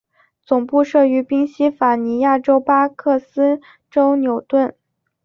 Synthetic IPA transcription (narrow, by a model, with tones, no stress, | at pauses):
t͡sʊ˨˩ŋpu˥˧ʂɤ˥˩y˧˥pi˥ŋɕi˥fa˨˩ni˧˥ja˥˩ʈ͡ʂo˥ʊpa˥kʰɤ˥˩sɹ̩˥ | ʈ͡ʂo˥ʊnjo˨˩ʊt̪wə˥˩n